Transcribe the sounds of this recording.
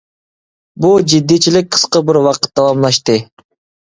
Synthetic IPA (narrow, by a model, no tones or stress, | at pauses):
bulˠd͡ʒid̪ːit͡ʃilik̚qʰə̥sqəbiɾwɑqə̥t̪̚d̪ɑwɑmlˠɑʃt̪ɯ